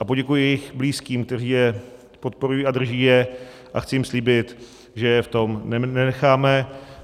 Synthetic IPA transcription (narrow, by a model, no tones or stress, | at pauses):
ʔapo̞ɟɛkujɪjɛjɪxbliːskiːmk̚t̪ɛr̝iːjɛ | po̞t̪̚po̞ɾujiːad̪r̩ʒiːjɛ | ʔaxt͡sɪjɪmsliːbɪt̪ | ʒɛjɛft̪o̞mnɛnɛnɛxaːmɛ